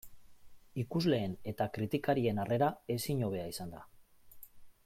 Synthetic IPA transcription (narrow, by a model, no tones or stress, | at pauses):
ikuzle̞ːne̞t̪akɾit̪ikaɾie̞nare̞ɾae̞siɲo̞β̞e̞aisand̪a